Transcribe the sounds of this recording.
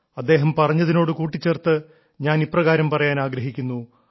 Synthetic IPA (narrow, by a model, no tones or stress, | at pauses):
ɐd̪ːe̞ːɦɐmpɐrɐɲːɐðino̞ːɽɨkuːʈːit͡ɕːeːrt̪ɨ | ɲaːniprɐɣaːɾɐmpɐrɐjaːnaːɡɾɐɦikʲːunːu